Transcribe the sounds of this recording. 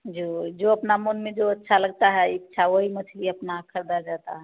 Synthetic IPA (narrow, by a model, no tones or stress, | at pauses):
d͡ʒod͡ʒoəpnamunmẽd͡ʒoətːʃʰaləɡ̚t̪aɦɛitːʃʰawoɦimət͡ʃʰliəpnakʰəɾd̪ad͡ʒat̪a̰ɦɛ